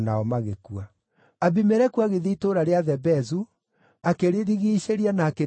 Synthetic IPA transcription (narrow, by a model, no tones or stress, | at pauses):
naɔmaɣekua | aβimɛɾɛkuaɣeðiːtoɾaɾeaðɛbɛzu | akeɾeɾiɣiːɕeɾianaːke